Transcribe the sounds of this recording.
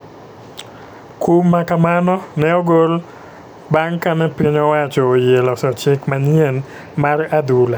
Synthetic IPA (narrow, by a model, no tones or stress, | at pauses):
kumːakamanɔnɛɔɡol | baŋkanɛpiɲɔwat͡ʃɔːjelɔsɔt͡ʃɪkmaɲjen | maɾadula